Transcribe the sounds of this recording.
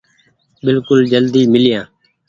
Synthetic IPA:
bɪlkʊld͡ʒəld̪iːmɪlɪjãː

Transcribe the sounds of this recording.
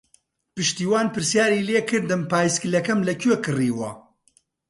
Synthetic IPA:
pɨʃt̪iːwaːnpɨɾsjaːɾiːleːkɨɾd̪ɨmpaːjsklɐkɐmlɐkʰɥekɨriːwɐ̰

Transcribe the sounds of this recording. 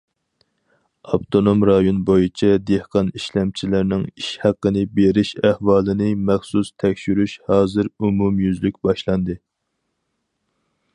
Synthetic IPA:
ɑpt̪ʰonomɾɑjonbojit͡ʃʰɛd̪ehqʰɑniʃlɛmt͡ʃʰilɪɾnɪŋiʃhæqːənɨbeɾɪʃæhwɑːlˠɨnɨmæχsust̪ʰɛkʲʃyɾyʃhɑːzɨɾumumjyzlykʲbɑʃlˠɑnd̪ɨ

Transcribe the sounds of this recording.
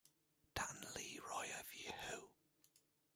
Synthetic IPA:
d̥anliɹɔjəvjɛhow

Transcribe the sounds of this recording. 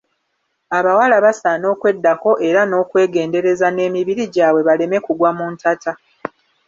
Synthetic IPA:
aβawalaβasaːno̞ːkwe̞dːako̞ʔe̞ɾano̞ːkwe̞ːɡe̞ːnde̞ɾe̞zane̞ːmiβiɾiɟaːβwe̞βale̞me̞kuɡwamuːntatʰa

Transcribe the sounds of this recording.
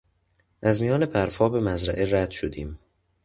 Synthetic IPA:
ʔæzmijɒːne̞pʰæɾfɒːbe̞mæzɾæ̰ʔeɾæd̪̥ʃod̪iːm

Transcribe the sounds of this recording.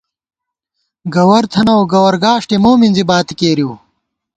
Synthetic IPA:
ɡɐwɐɾt̪ʰɐnɐwɡɐwɐɾɡaːʂʈemoːminzibaːt̪ikeːɾiw

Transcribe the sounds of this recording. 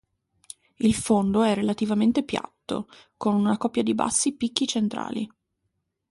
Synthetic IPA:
ilfond̪oɛrːelat̪ivament̪epja̰t̪ːo̰konunakɔpːjad̪iba̰sːipikːit͡ʃent̪ɾa̰ːlḭ

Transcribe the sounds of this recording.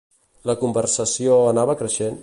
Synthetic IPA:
ləkumbərsəsioənaβəkɾəʃen

